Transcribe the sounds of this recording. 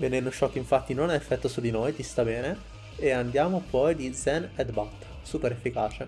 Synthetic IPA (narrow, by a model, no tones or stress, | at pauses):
venɛnnoʃːɔkːiɱfat̪ːinonaefːɛt̪ːosud̪inojt̪ist̪abɛːne | eand̪jaːmopɔjd̪id̪zɛnɛd̪bat̪ː | suːpeɾefːikaːt͡ʃe